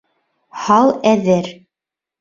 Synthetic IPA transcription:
hɑlˠæðɘɾ

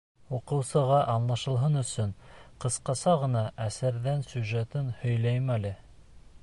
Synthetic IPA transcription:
uqɤ̆wsɤ̆ʁɑʔɑnlˠɑʃɤ̆lˠɦɤnɵ̆sɵnqɤ̆sqɑsɑʁɤ̆nɑʔæsæɾðænsuʒæt̪ɘnhɵ̆jlæjmælɘ

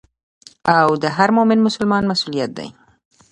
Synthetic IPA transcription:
awd̪əɦaɾmomɪnmʊsʊlmɑnmasulijat̪̚d̪a̰j

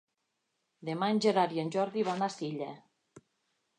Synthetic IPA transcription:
d̪emanʲd͡ʒeɾaɾjenʲʒɔɾðiβanasiʎe

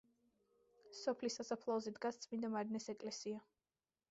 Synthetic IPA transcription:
sɔpʰlisːasapʰlˠɔɔzɛd̪ɡast̪sʼmind̪amaɾnɛsɛkʼlɛsia

